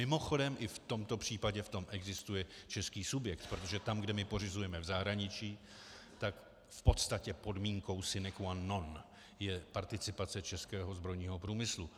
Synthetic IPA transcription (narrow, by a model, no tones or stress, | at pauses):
mɪmo̞xo̞dɛmʔɪft̪o̞mt̪o̞pr̝̥iːpaɟɛft̪o̞mʔɛɡzɪst̪ujɛt͡ʃɛskiːsubjɛkt̪pɾot̪o̞ʒɛt̪amɡdɛmɪpo̞rɪzujɛmɛvzaɦɾaɲɪt͡ʃiː | t̪ak | fpo̞t̪st̪acɛpo̞dmiːŋko̞wsɪnɛkuanːo̞n | jɛpaɾt̪ɪt͡sɪpat͡sɛt͡ʃɛskɛːɦo̞zbɾo̞jɲiːɦo̞pɾuːmɪslu